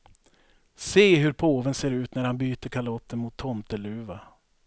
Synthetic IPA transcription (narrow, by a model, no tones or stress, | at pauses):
seːɦɵɾpʰoːvənseːɾʉ̟ːt̪næɾhanbyːt̪əɾkʰalɔt̪ʰːənmʊt̪ʰːɔnt̪əlʉ̟ːva